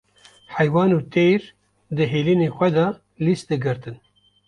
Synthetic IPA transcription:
ħɛjwɑːnuːt̪ʰejɾ | d̪ɨɦeːliːneːxʷɛd̪ɑ | list̪̚d̪ɨɡɨɾt̪ɨn

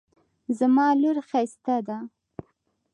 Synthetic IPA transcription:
zamɑluɾxajst̪ad̪a

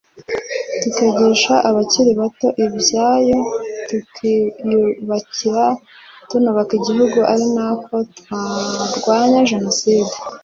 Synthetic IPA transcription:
tukeɟeʃaʔaβaciɾiβato̞ʔibjaːjo̞tukʰijuβaciɾa | tunoβakiɟiɦuɡuʔaɾinako̞twaɾɡwaːɲaʒe̞no̞siːde

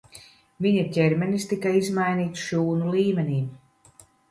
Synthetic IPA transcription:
viɲacʲɛɾmɛnist̪ikaizmajniːt̪sʃuːnulˠiːmʲenʲiː

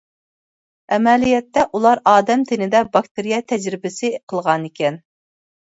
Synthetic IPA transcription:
ɛmɛlijɛt̪ːɛʔulˠɑɾɑːd̪ɛmt̪ʰɪnɪd̪ɛbɑkt̪ʰɪɾijɛt̪ʰɛd͡ʒɾɪbɪsɪqʰəlˠʁɑnekʲʰɛn

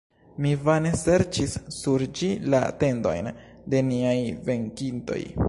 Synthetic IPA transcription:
mivane̞se̞ɾt͡ʃisːuɾd͡ʒila̰te̞ndo̞̰jn | de̞niajve̞ŋkinto̞̰j

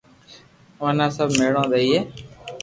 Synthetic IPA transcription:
onãːsəbʱmeːɽõːd̪eiːɦeː

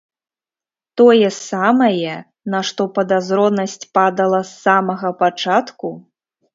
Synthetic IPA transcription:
t̪ɔjɛssamɐjɛ | naʂt̪ɔpɐd̪azɾɔnɐsʲt͡sʲpad̪ɐlˠɐsːamɐɣɐpat͡ʂat̪ku

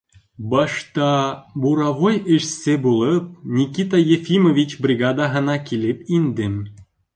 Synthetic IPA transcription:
bɑʃt̪ɑbuɾɑvojĕʃsebulɤp̚nʲikʲit̪ɑjefʲimovʲit͡ɕbrʲiɡɑd̪ɑɦə̆nɑkʲilepind̪em

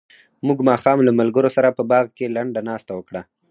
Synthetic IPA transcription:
muɡmɑxɑmlamalɡəɾosaɾapəbɑɣkelaɳɖanɑst̪awəkɽa

